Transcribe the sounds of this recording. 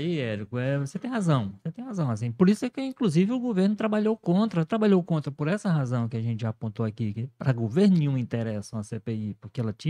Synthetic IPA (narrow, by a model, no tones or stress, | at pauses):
aiɛɾikʊɛvoset̪ẽj̃ɦazɐ̃w̃set̪ẽj̃hazɐ̃w̃asĩpoɾisʊɛkɪĩkluzivɪʊɡoveɾnʊt̪ɾabaʎowkõnt̪ɾɐt̪ɾabaʎowkõnt̪ɾɐpoɾɛsɐɦazɐ̃w̃kɪaʒẽnt͡ʃɪʒapõnt̪oakikɪpɾɐɡoveɾnʊnĩũĩnt̪eɾɛsɐ̃w̃ɐsepeipoɾkeɛlɐt͡ʃĩɐ